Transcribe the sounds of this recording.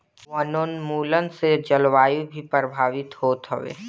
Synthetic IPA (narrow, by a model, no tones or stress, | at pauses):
ʋənonmuːlənsed͡ʒəlʋaːjubʱipɾəbʱaːʋɪt̪ɦoːt̪ɦə̰ʋḛː